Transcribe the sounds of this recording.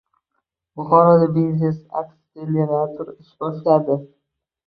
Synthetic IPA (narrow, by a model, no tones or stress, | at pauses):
bʊχɒɾad̪abiznesa̰kselenat̪ʰʊɾɪʃbɒʃlad̪ɪ